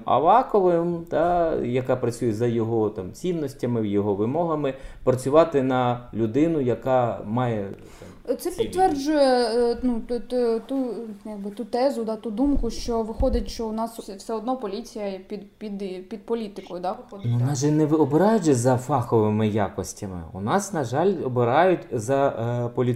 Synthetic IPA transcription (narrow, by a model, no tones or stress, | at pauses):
ɐ̰ʋɑxɔʋɪmt̪ɑjɐkɑpɾɐt͡sʲujɛzɐjɔɦɔt̪ɑmt͡sʲinːɔsʲtʲɐmɪjɔɦɔʋɪmɔɦɐmɪpɾɐt͡sʲʊʋɑt̪ɪnɐlʲʊd̪ɪnʊjɐkɑmɑjɛ | t̪sɛpʲit̪ːʋɛrd͡ʒʊjɛnut̪t̪ujaɡ̚bɪt̪ut̪ɛzʊd̪ɑt̪ud̪umkʊʃt͡ʃɔʋɪxɔd̪ɪtʲʃt͡ʃɔʊnɑssʲwsɛɔd̪nɔpɔlʲit͡sʲijɐpʲid̪pʲid̪pʲid̪̚pɔlʲit̪ɪkɔjʊd̪ɑnunɑʒɛnɛʋɪɔbɪɾɑjʊt͡ʃɛzɐfɑxɔʋɪmɪjakɔsʲtʲɐmɪ̰ʊ̰nɑsnɐʒɑlʲɔbɪɾɑjʊtʲzɐpɔlʲi